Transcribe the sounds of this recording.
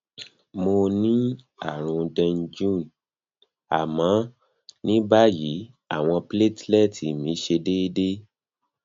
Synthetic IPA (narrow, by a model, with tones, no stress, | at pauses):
mo˧nĩ˦ | a˨ɾ̃ũ˧dɛ̃˧nd͡ʒũ˦˨n | a̰˨mã˨˦ | nĩ˦ba˦ji˨˦ | a˦˨w̃ɔ̃˧ple˦˨tlɛ˦˨tʰi˨mĩ˨˦ʃe˧de˦de˦